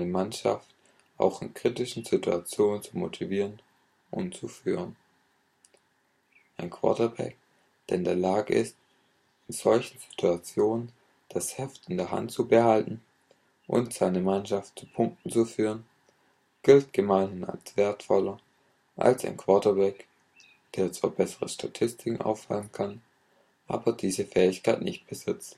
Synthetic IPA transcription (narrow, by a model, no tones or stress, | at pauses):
nəmanʃa̰ft̚ | ʔa̰ʊxɪ̰nkʁ̥itɪʃn̩z̥ɪtʰua̰t͡sjoːnənt͡sumotʰiviːʁən | ʔʊntt͡sufyːʁ̞ən | ʔaɪnkʰv̥a̰ɐtɐbɛ̰k̚ | d̥eːɪndeːɐlaːɡəʔɪ̰st̚ | ɪnz̥ɔlçn̩z̥i̥tʰuat͡sjoːnən | d̥ashɛftɪndeːɐɦa̰ntt͡subəhaltn̩ | ʔʊ̰ntz̥aɪnəmanʃaftt͡supʰʊŋk̚tn̩t͡sufyːʁən | ɡ̥ɪlt̚ɡ̥əmaɪnəna̰lsv̥eːɐtfɔlɐ | ʔa̰lsa̰ɪnkʰv̥ɔɐtɐbɛk | d̥eːɐt͡sv̥a̰ːɐbɛsəʁəsʃtʰatʰɪstʰɪkŋ̩ʔa̰ʊfːa̰lənkʰan | ʔa̰ːbɐdiːzəfɛːɪçkʰaɪtnɪçt̚b̥əzɪt͡st